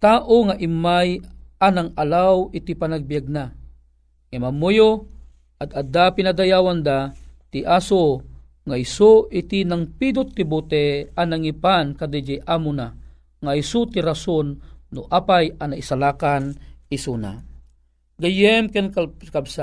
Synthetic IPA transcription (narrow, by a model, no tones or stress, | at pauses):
t̪aːʔoŋaʔimajanaŋalawit̪ipanaɡ̚bijaɡ̚na | ŋɛmamojo | ad̪ad̪apinad̪ajawand̪at̪iʔaso | ŋaisoʔit̪inaŋpid̪ot̪ːibut̪ɛanaŋipankad̪ɛd͡ʒijʔamʊna | ŋaisut̪iɾasonːʊʔaːpajanaisalakanisuna̰ | ɡajɛmkɛnkakabsa